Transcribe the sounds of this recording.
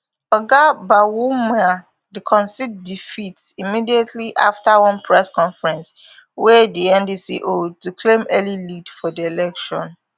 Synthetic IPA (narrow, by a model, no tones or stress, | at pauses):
ɔɡabawumɛa | dikʰɔ̃nsit̚difitsimidietʰliʔa̰ftawɔ̃npʰɹɛskɔ̃ɱfɹɛ̃ns | wɛdiɛ̃ndisḭʔodtukʰlẽmɛlilidfɔdielɛkʃɔ̰̃n